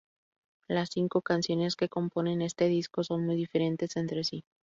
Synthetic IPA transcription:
lasːiŋko̞kansjo̞ne̞ske̞ko̞mpo̞ne̞ne̞st̪e̞ðisko̞so̞nmujðife̞ɾe̞nt̪e̞se̞nt̪ɾe̞si

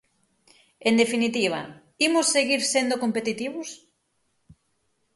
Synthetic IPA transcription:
end̪efinit̪iβ̞ɐ̰ | imʊsːeɣiɾsend̪okompet̪it̪iβʊs

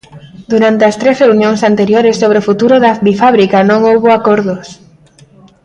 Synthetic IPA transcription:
d̪uɾant̪eɐst̪ɾesreunjõŋsant̪eɾjoɾessːoβ̞ɾeofut̪uɾʊðɐbifaβɾikanõŋowβoakoɾðʊs

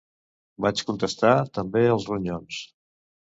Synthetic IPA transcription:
bat͡ʃkunt̪əst̪at̪əmbeəlˠzruɲons

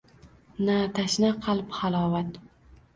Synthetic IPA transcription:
nat̪ʰaʃnaqʰɑlˠphalˠɒːvat̪

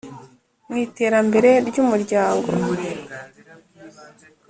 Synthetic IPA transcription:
mŋiːte̞ːɾambe̞ɾe̞ɾɟuːmuɾɟaːŋɡo̰

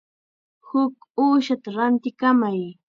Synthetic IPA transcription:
hʊkuːʃat̪aɾant̪ɪkamaj

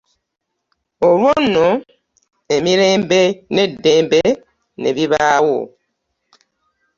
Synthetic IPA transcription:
oɾwonːɔ | emiɾẽmbenɛdembe | nɛ̰biβaːwo̰

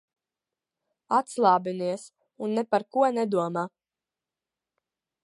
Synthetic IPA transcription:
at̪slˠɑːbiniɛs | unːɛpaɾkuɔnɛd̪uɔmaː

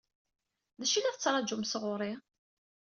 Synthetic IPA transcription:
ðæʃilæðt͡sːɾˤɑd͡ʒʊmsʁʊɾˤi

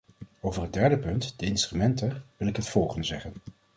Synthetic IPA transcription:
owvərɦəd̚dɛɹdəpɵntd̥əɪnstrymɛntəʋɪlˠɪkɦətfɔlˠχəndəzɛχən

